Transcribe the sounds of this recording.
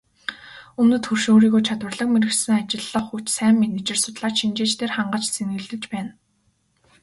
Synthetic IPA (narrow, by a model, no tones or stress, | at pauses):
ɵmnɵ̆t̪ʰxurʃoːɾiːɣojt͡ɕʰat̪wə̆rɮə̆k̚meɾɘ̆xsɘ̆ŋat͡ɕɪ̆ɮːə̆χut͡ɕsæːmːenet͡ɕɪ̆rsʊt̪ɮaːt͡ɕʃint͡ɕeːt͡ɕt̪ʰeːrχaɴɢə̆t͡ɕt͡sʰenɡɘ̆ɮɘ̆t͡ɕpæːn